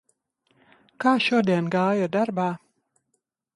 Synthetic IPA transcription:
kaːʃuɔd̪iɛnɡaːjad̪aɾbaː

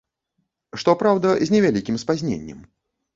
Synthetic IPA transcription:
ʂt̪ɔpɾawd̪ɐzʲnʲɛvʲalʲikʲimspazʲnʲḛnʲːɛ̰m

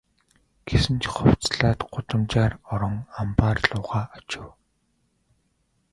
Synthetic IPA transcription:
ɡ̥esɘ̆nt͡ɕʰχɔw̥t͡sɮaːt̪ɢʊt̪ə̆mt͡ɕaːrɔɾɞ̆ŋampaːrɮʊːʁaːɔt͡ɕɪ̆w

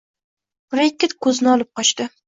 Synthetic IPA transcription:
ɾekʲːɪt̪kʰɵzɪnɪɒlˠɪp̚qʰɒt͡ʃt̪ɪ

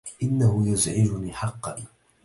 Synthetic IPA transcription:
ʔɪnːahʊjʊzʕɪd͡ʒʊniːħɑqːɑ

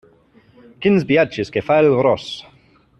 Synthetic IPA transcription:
kɪnzbiat͡ʃɪskefajlɾɔs

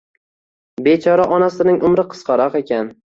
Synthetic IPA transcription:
be̞t͡ʃʰɒɾaʔɒnasɪnɪŋʔʊmɾɪqʰɨ̥sqɑɾɒqe̞kʲan

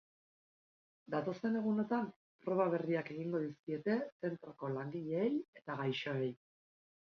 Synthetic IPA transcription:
d̪at̪o̞st̪e̞ne̞ɣ̞uno̞t̪am | pɾo̞βaβeriake̞ɣ̞iŋɡo̞ðiskie̞t̪e̞se̞nt̪ɾoko̞laŋɡiʎe̞ːje̞t̪aɣajʃoej

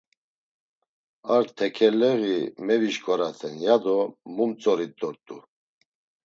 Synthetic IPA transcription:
aɾt̪ʰɛkʰɛlɛɣimɛviʃkʰʼɔɾat͡s̪ʰɛnjad̪ɔmumt͡sʼɔɾid̪ɔɾt̪ʼu

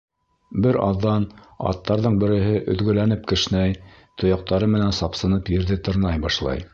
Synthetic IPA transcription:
bɘɾɑ̰ðːɑnɑ̰t̪ːɑɾðɤɴbɘ̆ɾɘ̆ɦɘʔɵ̆ðɡɵ̆lænɘp̚kɘ̆ʃnæj | t̪ʰŏjɑq̚t̪ɑɾɤmɘ̆nænsɑpsɤ̆nɤpjɘ̆ɾðɘt̪ɤ̆ɾnɑjbɑʃlˠɑ̰j

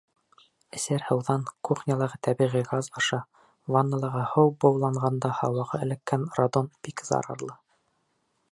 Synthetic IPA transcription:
ɘ̆sæɾhɤ̆wðɑŋkuχnʲɑlˠɑ̆ʁɤt̪æbiʁiɡɑzɑʃɑ | vɑnːɑlˠɤ̆ʁɤhɤwbɑwlˠɑɴʁɑnd̪ɑhɑwɑʁɤɘ̆lɘ̆kːænrad̪onb̥ikzɑ̰ɾɑ̰ɾlˠɤ

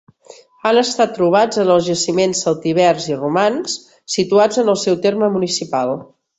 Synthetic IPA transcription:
anəst̪at̪ːɾuβ̞ad͡zənəlˠzʒəsimensəlˠt̪iβ̞ɛɾzirumans | sit̪uad͡zənəlˠsɛwt̪eɾməmunisipalˠ

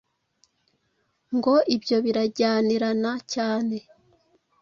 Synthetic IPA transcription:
ŋɡo̞ʔibjo̞βiɾaɟaːniɾanacaːne̞

